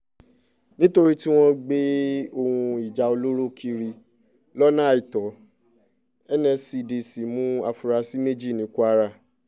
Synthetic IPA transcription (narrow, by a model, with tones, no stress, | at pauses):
nĩ˦to˦ɾi˦ti˦w̃ɔ̃˦ɡ͡be˦o˧hũ˧i˨d͡ʒa˨˦o˧lo˦ɾo˦kʰi˧ɾi˧ | lɔ˦nã˦˨i˨tɔ˨˦ | ɛ˦nɛ̃˧si˧˨de˧si˨˦mũ˦a˧fu˧ɾa˧si˦me˦d͡ʒi˦˨nĩ˨˦ku˦a˧ɾa˦˨